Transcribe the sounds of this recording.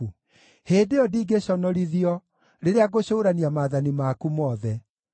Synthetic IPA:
u | heːdeɔdiːɡeɕɔnɔɾiðiɔ | ɾeɾeaɡoɕoːɾaniamaːðanimakumɔːðɛ

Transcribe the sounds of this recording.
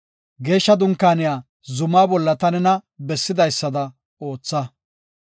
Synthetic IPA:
ɡe̞ːʃːɐd̪ʊŋkːaːnɪjaː | zʊmaːbɔlːɐt̪ɐnɛnɐbɛsːɪd̪ɐjsːɐd̪ɐ | o̞ːt͡sːɐ

